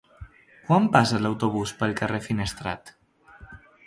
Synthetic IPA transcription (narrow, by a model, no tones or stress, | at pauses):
kwampasəlawt̪oβ̞uspəlˠkərefinəst̪ɾa̰t̪